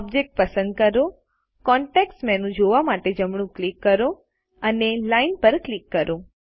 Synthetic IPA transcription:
ɔbd͡ʒek̚ʈ̚pəsə̃nd̪̚kəɾo | kɔɳʈeksmɛnũd͡ʒoʋamaʈed͡ʒəmɳ̃ũklikːəɾo | ənelainpəɾklikːəɾo

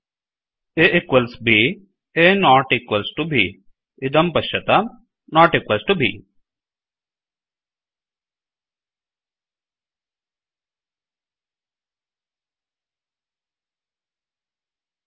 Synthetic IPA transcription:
eʔɪkwəlsbʱi | enɔːʈikwəlsʈubʱi | ɪd̪ɐmpɐʃɐt̪a | nɔːʈikwɐlsʈubʱḭː

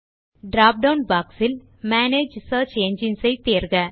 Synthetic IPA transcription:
ɖɾaːp̚ɖɐwnbaːksɪl | maːneːd͡ʒsɐːt͡ʃeːɲd͡ʒɪnsɐɪt̪eːɾɣɐ

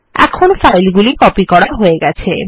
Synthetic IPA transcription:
ɛ̰kʰonfajlɡulikɔpikɔɽaɦoeɡɛt͡ɕʰe

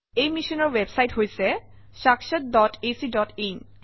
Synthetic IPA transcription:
ejmiʃɔnɔɹwebsajtɦojsɛ | ʃakʃat̪̚dɔtesidɔtin

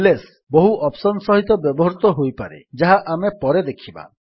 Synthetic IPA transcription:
les | bɔɦuʔɔpsɔnsɔɦit̪ɔbjɔbɔɦɔɾut̪ɔɦojpaɾḛd͡ʒaɦaʔamepɔɾed̪ekʰiba̰

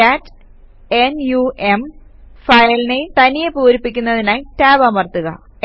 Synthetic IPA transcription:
at | enjuʔem | fɐjɐlinet̪ɐnijepuːɾipːikʲːunːɐðinaːjtaːbɐmɐrt̪uɣɐ̰

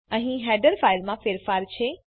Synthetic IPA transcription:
ə̃ɦĩɦɛːɖəɾfaːɪlmãfeːɾfaːɾt͡ɕʰe

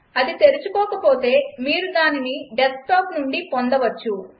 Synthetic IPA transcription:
ɐd̪it̪e̞ɾut͡ʃukɔːkɐpo̞ːt̪e̞ːmiːɾud̪aːniniɖesʈaːpnuɳɖipond̪ɐʋɐt͡ʃːu

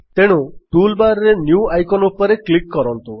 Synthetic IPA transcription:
t̪eɽ̃uʈulbaɾɔɾenjuajkɔnupɔɾeklikːɔɾɔnt̪u

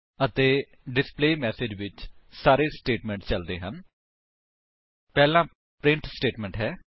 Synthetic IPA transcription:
ət̪eː | ɖɪspleːmɛːsed͡ʒʋɪt͡ʃsaːɾeːsʈeːʈmɛ̃ːɳʈt͡ʃəld̪ḛːɦən | pɛːlãː | pɾɪ̃ɳʈsʈeːʈmɛ̃ːɳʈɦɛː

